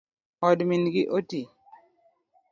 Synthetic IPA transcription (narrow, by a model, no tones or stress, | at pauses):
ɔdminɡɪʔoti